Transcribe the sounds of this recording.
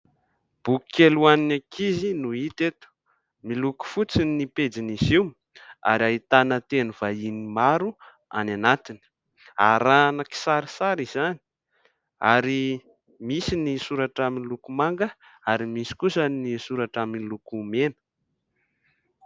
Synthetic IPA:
b̥ukkeluaninakʰizinuit̪et̪u̥ | miluku̥fut͡siniped͡ziniziwm | a̰ɾiait̪anət̪enuvainimaɾu | a̰nanat̪ini̥ | a̰ɾanaki̥saɾisaɾizani̥ | aɾi | misinisuɾaʈ͡ʂaminlukumaŋɡəaɾimisi̥kusənisuɾaʈ͡ʂaminilukumenə̥

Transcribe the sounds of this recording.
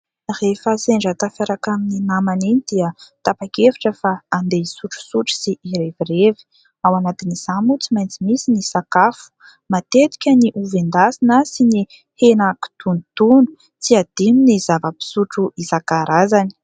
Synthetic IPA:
refəseɳɖ͡ʐat̪afaɾakamininamaninid̪̥iət̪apakefi̥ʈ͡ʂəfaːnd̪eisuʈ͡ʂu̥suʈ͡ʂu̥siʔiɾevirevi̥ | awanat̪iniz̥amut͡simajnt͡simisinisakafu̥ | mat̪et̪i̥kʲəniʔuvend̪asinasini | henaku̥t̪unit̪unu̥ | t͡siad̪̥iminizavəpi̥suʈ͡ʂuizakaɾazani̥

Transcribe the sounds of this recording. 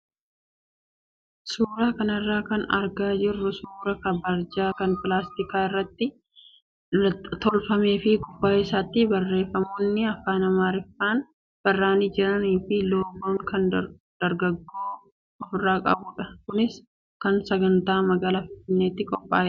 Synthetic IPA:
suːɾaːkɐnɐrːaːkɐnɐ̰ɾɡaːd͡ʒɪrːʊsuːɾɐkɐbɐɾd͡ʒaːkɐnpɪlaːst̪ɪkaːɪrːɐt̪ːɪ | t̪ɔlfɐmeːfɪkʼʊfːaːɪsaːt̪ːɪbɐrːe̞ːfːɐmoːnːɪɐfːaːnɐmaːɾɪfːaːn | b̥ɐrːaːniːd͡ʒɪɾɐniːfɪloːboːŋkɐn | d̪̥ɐɾɡɐɡːoː | ɔfɪrːaːkʼɐ̰bʊːᶑɐkʊnɪs | kɐnsɐɡɐnt̪aːmɐɡaːlaːfɪnfɪnːeːt̪ːɪkʼɔpʼːa̰ːjɛᶑɐ

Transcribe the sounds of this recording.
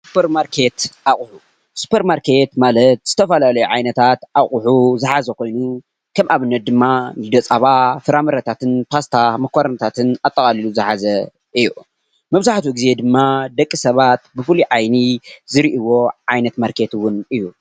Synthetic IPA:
su̥pʰɐɾmaɾkʰe̞t̪ʔaχʼʊħu | su̥pʰɐɾmaɾkʰe̞t̪malɐt̪z̥ɨt̪ʰɐfalalɐjuʕajnɐt̪ʰat̪ʔaχʼʊħuzɨħazɐkʰo̞jnu | kʰɐmʔaβɨnːɐt̪̚d̪ɨmːanɨd̪ɐt͡sʼaβafɨɾamɐɾɐt̪ʰat̪ʰɨnpʰast̪ʰamɐkʰʷːaɾɐnɐt̪ʰat̪ʰɨnat̪ʼːɐkʼaliluzɨħazɐ | ʔɨjːu | mɐβzaħt̪ʰuɡɨze̞d̪ɨmːad̪ɐkʼːisɐβat̪̚bɨfɨliʕajnizɨɾiʔiwo̞ʕajnɐt̪maɾkʰe̞t̪wʊnɨjːu

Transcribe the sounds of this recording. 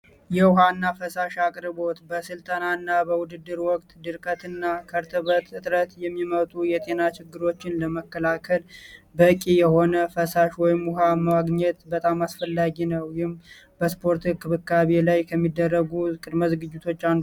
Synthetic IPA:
jɛwʊɦanːafəsaʃakʼɾɨbo̞t̪bəsɨlt̪ʼənanːabəwʊd̪ɨd̪ːɨɾwɔkʼt̪d̪ɨɾkʼət̪ɨnːakʰəɾt̪ʰɨβət̪ɨt̪ʼɾət̪jɛmːimət̪ʼujɛt̪ʼe̞nat͡ʃɪɡːɨɾo̞t͡ʃːɪnləməkːəlakʰəlbəkʼijɛho̞nəfəsaʃwɔjɪmʊɦaməwaɡɲɛt̪bət̪ʼamasfəlːaɡinəwjɪm | bəspʰo̞ɾt̪ɨkʰːɨβɨkːaβe̞lajkʰəmːid̪ːərːəɡukʼɨd̪məzɡɨd͡ʒːɪt̪ʰo̞t͡ʃːand̪

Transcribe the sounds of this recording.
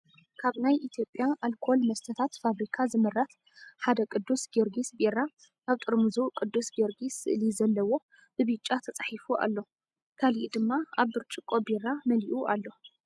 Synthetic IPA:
kʰaβnajʔit̪ʰjo̞pʼjaʔalkʰo̞lmɐst̪ʰɐt̪ʰat̪faβɾikʰazɨmɨrːat̪ | ħad̪ɐkʼɨd̪ːusɡeɾɡisbeɾa | ʔaβt̪ʼɨɾmɨzukʼɨd̪ːusɡeɾɡisɨ̰ʔlizɐlːɐwo̞ | b̥ɨβɨt͡ʃʼːat̪ʰɐt͡sʼaħifuʔa̰lːo̞ | kʰaliʔd̪ɨmːaaβːɨɾt͡ʃʼɨkʼːobiɾamɐliʔuʔa̰lːo̞

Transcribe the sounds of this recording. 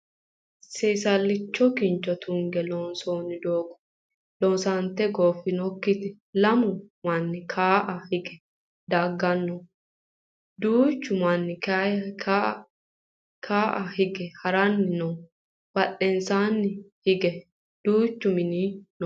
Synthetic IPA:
sɛːsɐlːɪt͡ʃːɔkɪnt͡ʃːɔt̪ʊŋɡɛloːnsoːnɪd̪oːɡɔ̥ | loːnsant̪ɛɡoːfːɪnɔkːɪt̪ɛ | lɐmʊmɐnːɪkʰaːʔɐhɪɡɛ̥ | d̪aːɡːɐnːɔ | d̪uːt͡ʃːʊmɐnːɪka | kʰaːʔɐhɪɡɛhɐɾɐnːɪnɔ | b̥ɐɗɛnsaːnːɪhɪɡɛ | d̪̥uːt͡ʃːʊmɪniːn

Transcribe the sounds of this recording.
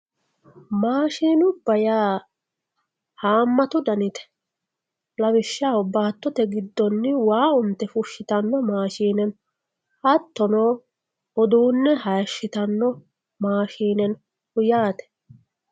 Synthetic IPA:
maːʃiːnʊbɐjaː | haːmːɐt̪ʊd̪ɐnɪt̪ɛ̥ | lɐwɪʃːaːɔbaːt̪ːɔt̪ɛɡɪd̪ːɔnːɪwaːʊnt̪ːɛfʊʃːɪt̪ɐnːɔmaːʃiːnɛn | hɐt̪ːɔnoː | ɔd̪uːnːɛɦɐːʃːɪt̪ɐnːɔ | maːʃiːnɛn | hʊjaːt̪ɛ̥

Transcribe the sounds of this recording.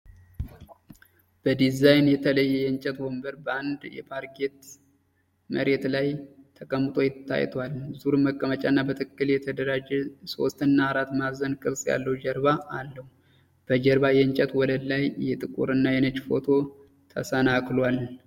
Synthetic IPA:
b̥əd̪izajnjɛt̪ʰələjːɛjɛɨnt͡ʃʼɛt̪wombəɾbəand̪jɛ̰pʰaɾɡe̞t̪ | məɾe̞t̪lajt̪ʰəkʼəmːt̪ʼʰo̞jɪt̪ːa̰jt̪ʰwalzuɾɨməkʼːəmət͡ʃʼanːabət̪ʰɨkʼːɨljɛt̪ʰəd̪əɾad͡ʒɛso̞̰st̪ɨnːaaɾat̪mazənkʼɨβsʼja̰lːəwud͡ʒəɾβaalːəhu | b̥əd͡ʒəɾbajɛɨɲt͡ʃʼət̪wɔləlajːɛt̪ʼɨkʼṵɾɨnːajɛnət͡ʃːfo̞̰t̪ʰo̞ | t̪ʰə̰sənakʰʼlwal

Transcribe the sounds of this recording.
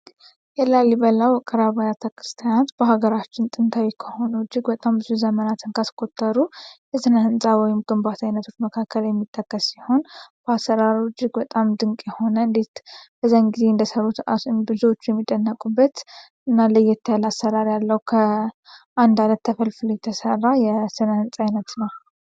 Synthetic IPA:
jɛlalːibəlawkʼəɾaβajat̪ʰəkʰɾɨst̪ʰijanot̪b̥əɦaɡəɾat͡ʃːɪnt̪ʼɨnt̪ʰawikʰəho̞nəd͡ʒːɪɡbət̪ʼambɨzuzəmənat̪ʰɨnkʰaskʰo̞t̪ʰːəɾujɛzɨnahɨnsʼawɔjɪmɡɨmbat̪ʰajnət̪ʰo̞t͡ʃːməkʰakʰːəljɛmːit̪ʼːəkʼːəssiho̞nb̥əasːəɾaɾd͡ʒːɪɡbət̪ʼamd̪ɨŋkʼjɛho̞nəɨnd̪e̞t̪b̥əzːaɨŋɡize̞ɨnd̪əsəɾːut̪atnbɨzuwot͡ʃːjɛmːid̪ənːəkʼubːət̪ | ɨnːalɨjːɛt̪ʰːəjlasːəɾaɾjalːəwukʰə | ʔand̪alət̪ːəfəlfɨljɛt̪ʰəsərːajɛsɨnəhɨnsʼajnət̪nəw

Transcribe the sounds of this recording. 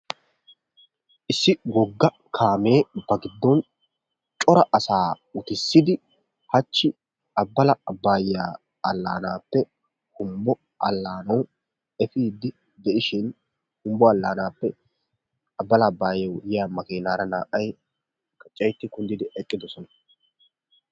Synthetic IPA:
ʔɪsːɪwɔɡːɐ | kʰaːme̞ːbɐɡɪd̪ːɔn | t͡ʃʼɔɾɐʔɐsaː | ʊt̪ɪsːɪd̪ɪ | hɐt͡ʃːɪ | ɐbːɐlɐbaːjːaː | ɐlːa̰ːnaːpːɛ | hʊmbɔ | ʔɐ̰lːaːnɐw | ɛfiːd̪ːɪ | d̪ɛʔɪʃɪn | hʊmbɔɐlːaːnaːpːɛ | ɐbːɐlɐbaːjɐwjɪjamɐkeːnaːɾɐna̰ːʔːɐj | kɐt͡ʃʼːɐjt̪ːɪkʊnd̪ɪd̪ɪʔɛkʼːɪd̪ɔsɔnɐ

